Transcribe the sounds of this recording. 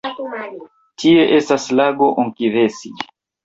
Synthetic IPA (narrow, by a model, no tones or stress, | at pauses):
tʰie̞ʔestaslaɡo̞ʔoŋkivesi